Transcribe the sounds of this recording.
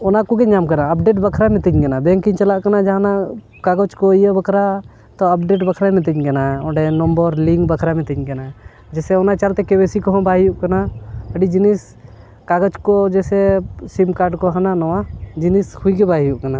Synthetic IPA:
ɔnakuɡɛɲd͡ʒamkanaəpɖeʈ̬bəkʰɾamɛt̪əɲkɛnabɛ̃ŋkiɲt͡ʃalaʔkanad͡ʒaana | kaɡɔt͡ʃkɔijabəkʰɾa | t̪ɔəp̚ɖeʈ̬bəkʰɾamɛt̪̬əɲkanaɔ̃ɖɛnɔmbɔɾliŋkbəkʰɾamɛt̪əɲkana | d͡ʒɛsɛɔnat͡ʃalt̪ɛkɛbesikɔɦɔ̃baɦijuʔkanaəɖid͡ʒinis | kaɡɔt͡ʃkɔd͡ʒɛsɛsimkaɾɖkɔɦananɔwad͡ʒinishuikɛbaɦijuʔkana

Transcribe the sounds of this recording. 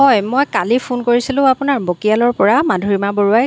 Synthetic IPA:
ɦɔjmojkalipʰunkoɹisilʊ̃apʊnaɹbokijalɔɹpɔɹamadʱoɹimaboɹuaj

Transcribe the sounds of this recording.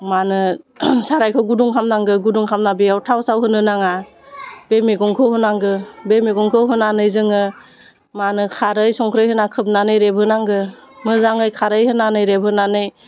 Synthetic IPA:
manɯsaɾajkʰɯɡuduŋkʰamnaŋɡɯɡuduŋkʰamnabijawtʰawsawɦɯnɯnaŋa | b̥emeɡɔŋkʰɯhɔnaŋɡɯbemeɡɔŋkʰɯɦɔnanɯjzɯŋɯ | manɯkʰaɾɯjsɔŋkʰɾɯjɦɯnakʰɯp̚nanɯjɾebʱɯnaŋɡɯ | mɯzaŋɯjkʰaɾɯjhɯnanɯjɾebʱɯnanɯj

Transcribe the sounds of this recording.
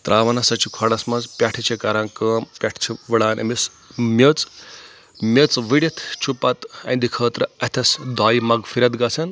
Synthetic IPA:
t̪ɾaːʋɐnɐsɐt͡ʃʰikʰɐɽɐsmɐzpʲaʈʰit͡ʃʰikɐɾankəːmpʲaʈʰt͡ʃʰiʋɐɽaːnʔɐ̰mis | mʲet͡s | mʲet͡sʋiɽɐt̪ʰt͡ʃʰupɐt̪ɐ̰̃nd̪ikʰəːt̪ɾɐɐt̪ʰɐsd̪aːjimɐɡfʰiɾɐt̪ɡɐsʰɐn

